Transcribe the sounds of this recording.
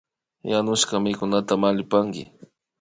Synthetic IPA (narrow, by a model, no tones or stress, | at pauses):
janʊʃkamɪkʊnat̪amalɪpaŋkɪ̰